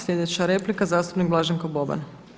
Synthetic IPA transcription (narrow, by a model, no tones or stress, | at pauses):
slʲje̞d̪e̞t͡ɕaɾe̞plikazaːst̪u̥pniɡ̚blˠaʒeŋkoboba̰n